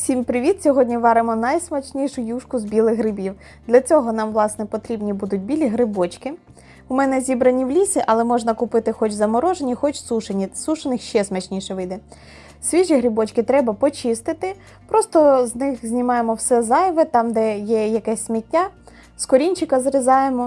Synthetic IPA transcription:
sʲimpɾɪʋʲit̪sʲɔɦɔdʲnʲiʋɑɾɪmɔnɐjsmɐt͡ʃnʲiʃʊjuʃkʊzbʲilˠɪɣɦɾɪbʲiw | d̪lʲɐt͡sʲɔɦɔnɑmʋlˠɑsnɛpɔt̪ɾʲibnʲibud̪ʊtʲbʲilʲiɦɾɪbɔt͡ʃkɪ | ʊmɛnɛzʲibɾɐnʲiwlʲisʲiʔɐlˠɛmɔʒnɐkʊpɪt̪ɪxɔt͡ʃzɐmɔɾɔʒenʲixɔt͡ʃsuʃenʲisuʃɐnɪxʃɛsmɐt͡ʃnʲiʃɛʋɪd̪ɛ | sʲʋʲiʒiɦɾʲɪbɔt͡ʃkɪt̪ɾɛbɐpɔt͡ʃɪst̪ɪt̪ɪ | pɾɔst̪ɔznɪxzʲnʲimɑjemɔwsɛzɑjʋɛt̪ɑmd̪ɛjɛjɐkɛsʲsʲmʲitʲnʲa | skɔɾʲinʲt͡ʃɪkɐzɾɪzɑjemɔ

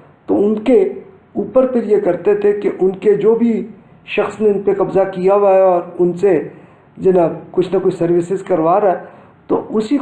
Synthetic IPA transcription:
t̪oʊnke | uːpəɾpʰɪɾjekɐɾt̪et̪ʰekeʔʊnked͡ʒoːbʱi | ʃɐxsneʊnpekɐbzakijaʋaːɔːɾʊnse | d͡ʒɪnakʊt͡ʃʰnɐkot͡ʃʰsɐɾʋɪsɪzkɐɾʋaːɾaɦɛ | t̪oʔʊsi

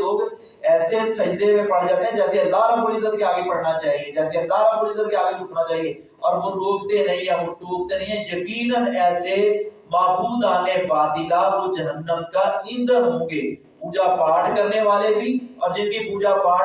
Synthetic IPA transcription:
oːɡ | ɛːsesɐɦd̪ʱemẽpəɽ̤d͡ʒaːt̪eɦɛ̃d͡ʒɛːseənd̪aːlaboːɾizəɾkeaːɡepɐɽnat͡ʃaːɦied͡ʒɛːseəld̪aːlaboːɾiːzəɾkeaːɡeʊʈʰnaːt͡ʃaːɦieː | ɔːɾʋoːɾoːɡt̪enɐɦĩɦɛ̃ːʋoʈoːɡt̪enə̃ɦĩɦɛ̃jəkiːnənɛːsemaːbuːd̪aːneʋaːd̪ikaʋod͡ʒɐɦənːəmkaːĩnd̪ənɦõːɡeː | puːd͡ʒapaːɽkəɾneʋaːlebʱiːɔːɾd͡ʒɪnkipuːd͡ʒapaːɽ

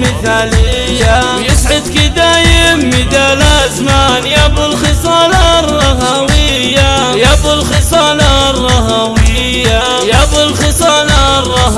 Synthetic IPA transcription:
mɪθaːlɪjːajɪsʕɪd̪kɪd̪aːjɪmɪd̪aːlazmanjabʊlxɨsˤɑːlarˤːɑɦawɪ | jːa | jabʊlxɨsˤɑːlarˤːɑɦawɪjːa | jabʊlxɪsˤɑːla | rˤːɑh

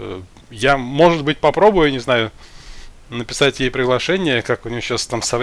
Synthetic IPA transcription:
jamo̞ʐɨt̪̚bɨt̚ʲpɐpɾo̞bʊjʊnʲɪznajʊ | nəpʲɪsatʲjejpɾʲɪɡlˠɐʂɛnʲɪjəkakʊnʲɪjoɕːast̪amsɐv

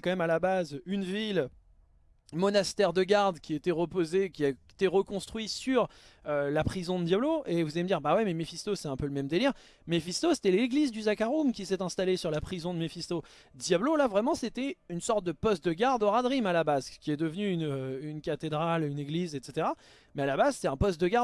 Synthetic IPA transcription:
ɛkɑ̃mɛmalabazynvil | mɔnast̪ɛʁd̪əɡaʁd̪kʲiet̪ɛʁəpozekʲia | t̪eʁəkɔ̃st̪χɥisyʁølapχizɔ̃d̪əd̪jabloʔevuzaleməd̪iʁbawimɛmefist̪osɛɛ̃pøləmɛmd̪eliʁ | mefist̪ose̥t̪ɛleɡlizd̪yzakaʁumkʲisɛt̪ɛ̃st̪alesyʁlapχizɔ̃d̪əmefist̪o | d̪jablolavʁɛmɑ̃set̪ɛynsɔʁt̪̚d̪əpɔst̪̚d̪əɡaʁd̪ɔʁad̪ʁimalabazkʲiɛd̪əvnyynøynkat̪ed̪ʁalyneɡlizet̪set̪eʁa | mɛalabazse̥t̪ɛt̪ɛ̃pɔst̪̚d̪əɡaʁ

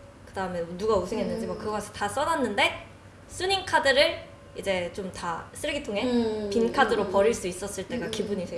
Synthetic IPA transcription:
kɯdaɯmjʌnnuɡausʰɯŋɦenːɯnd͡ʑimwʌkɯɡʌɡʌsʰɯ̥tas͈ʌnanːɯnde̞ | s͈ʰuɲiŋkʰadɯɾɯɭ | id͡ʑe̞t͡ɕomtas͈ʰɯɭɡitʰoŋɦe̞pinkʰadɯɾopʌɾiɭs͈uis͈ʌs͈ɯɭt͈e̞ɡakibuɲisʰejo

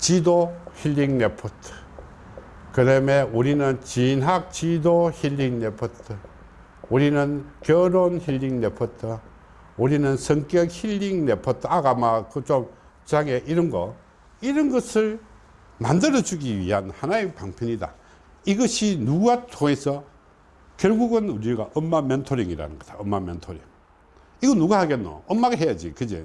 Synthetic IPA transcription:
t͡ɕidoçiʎːiŋnepʰʌtʰɯ̥ | kɯdameuɾinɯnt͡ɕinɦak̚t͡ɕidoçiʎːiŋnepʰʌtʰɯ | uɾinɯnkjʌɾonçiʎːiŋnepʰʌtʰɯ | uɾinɯnsʰʌŋk͈jʌk̚hiʎːiŋnepʰʌtʰaɡamakɯt͡ɕom | t͡ɕaŋeʔiɾʌnɡʌ | iɾʌnɡʌsʰɯɭ | mandɯɾʌd͡ʑuɡiɥḭɦanhanaepaŋpʰjʌnɲida̰ | iɡʌɕʰinuɡatʰoŋe̞sʰʌ | kjʌɭɡuɡɯnuɾiɡaʔʌmːamentʰoɾiŋiɾa̰nɯ̰nɡʌtʰaʌmːamentʰoɾḭŋ | iɡʌnuɡahaɡenːo̰ʌmːaɡɦe̞jad͡ʑikɯd͡ʑḛ

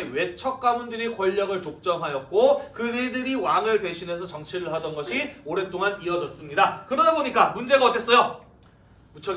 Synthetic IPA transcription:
ewe̞t͡ɕʰʌk̚k͈amundɯɾikwʌʎːʌɡɯɭtok̚t͡ɕ͈ʌmɦajʌt̚k͈okɯidɯɾiwaŋɯɭte̞ɕʰinensʰʌt͡ɕʌŋt͡ɕʰiɾɯɭɦadʌnɡʌɕʰioɾe̞nt͈oŋaniʌd͡ʑʌs͈ɯmɲidakɯɾʌdaboɲik͈amund͡ʑe̞ɡaʌt͈ʰe̞s͈ʌjo | mut͡ɕʰʌ

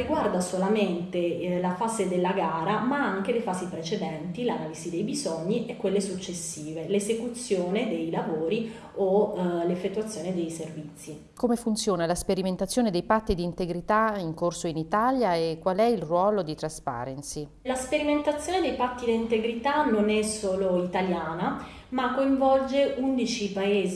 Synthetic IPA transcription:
riɡward̪asolament̪elafaːzed̪elːaɡaaːɾamaaŋk̟elefaːzipɾet͡ʃed̪ɛnt̪ilanaːlizid̪ejbizɔɲːiʔekːwelːesut͡ʃːesːiːvelezekut̪sjoːned̪ejlavoːɾi | olefːet̪ːwat̪sjoːned̪ejservit̪sːi | komefunt̪sjoːnalaspeɾiment̪at̪sːjoːned̪ejpat̪ːid̪iːnt̪eɡɾit̪aiŋkorsoinit̪aljaekːwalɛilrwɔːlod̪it̪ɾaspa̰ːɾensi | laspeɾiment̪at̪sːjoːned̪ejpat̪ːid̪iint̪eɡɾit̪anonɛsoːloit̪aljaːna | makːoiɱvɔld͡ʒeʔund̪it͡ʃipaeːz

